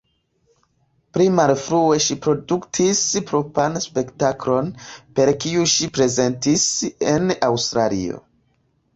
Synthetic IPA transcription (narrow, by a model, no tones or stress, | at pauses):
pɾimalfɾue̞ʃipɾo̞duktʰispɾo̞panspe̞ktaklo̞npe̞ɾkiuʃipɾe̞ze̞ntisenawstɾalḭo̞̰